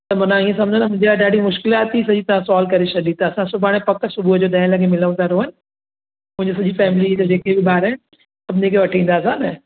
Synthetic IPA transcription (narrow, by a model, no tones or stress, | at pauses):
t̪ɐmɐnãiːẽs̬ɐ̃md͡ʑʱə̃nɐmʊ̃ɦɪ̃ɲd͡ʑelaːiɗaːɖimʊʃkɪlaːt̪isɐd͡ʑit̪ɐʋ̤ãsɔːlkɐɾeʃɐɗ̪it̪ɐːsãsʊbʱaːɽ̃epɐksʊbʱuəd͡ʑoːd̪ɛ̃ːɪlɐɡemɪləũt̪aɾoɦɐnɪ̆ | mʊ̃ɦɪ̃ɲd͡ʑos̬ɐʄifɛːmɪlid͡ʑod͡ʑeːkebɪɓaːɾɛ | sɐbʱnekʰeʋɐʈʰĩːn̆d̪aːsãnɐ